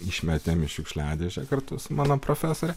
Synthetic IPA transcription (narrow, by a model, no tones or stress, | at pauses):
ɪʃʲmʲɛt̪ʲemʲɪʃʲʊkʃʲlʲæːd̪ʲeːʒʲɛkɐrt̪ʊsʊmɑːnoːpɾofʲæːsoːɾʲɛ